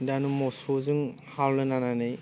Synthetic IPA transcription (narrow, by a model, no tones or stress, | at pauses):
danumɔsuzɯŋ | hawlɯnananɯj